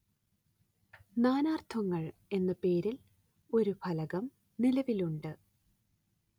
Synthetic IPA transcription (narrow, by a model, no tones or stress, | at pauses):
naːnaːrt̪ʰʋɐŋːɐɭe̞nːɐpe̞ːɾil | o̞ɾubʰʱɐlɐɣɐm | nilɐʋiluɳɖɨ